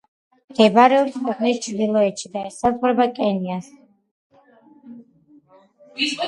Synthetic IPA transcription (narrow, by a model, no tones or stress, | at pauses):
d̪̥ɛbɾɛɔsχʰwɛqʼnist͡ʃʰʼd̪ilˠɔɛt̪ʃʰid̪aɛsazʁɾɛbakʼɛnias